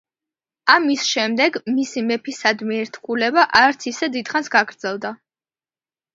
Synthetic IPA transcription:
amisʃɛmd̪ɛɡmisimɛpʰisad̪miɛɾt̪ʰkʰulɛbaʔaɾt̪sʰisɛd̪id̪̥χansɡaɡɾd̪z̥ɛlˠd̪a

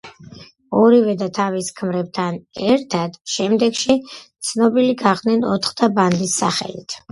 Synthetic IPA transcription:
ɔɾivɛd̪at̪ʰaviskʰmɾɛb̚t̪ʰanɛɾt̪ʰad̪̥ʃɛmd̪ɛɡʃit̪sʰnɔbiliɡaʁd̪nɛnɔt̪ʰχd̪ʰaband̪isːa̰χɛ̰lḭt̪ʰ

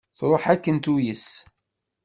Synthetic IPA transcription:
θɾˤoħækːənt̪ujəs

